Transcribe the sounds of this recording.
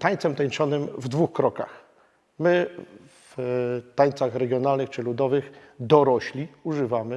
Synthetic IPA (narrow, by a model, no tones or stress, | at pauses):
t̪aɲt̪sɛmt̪aɲt͡ʂɔnɘmvd̪vuxkɾɔka̰x | mɘ | vt̪aɲt̪saxɾɛɡʲjɔnalnɘxt͡ʂɘlud̪ɔvɘx | d̪ɔɾɔɕlʲiuʐɘvamɘ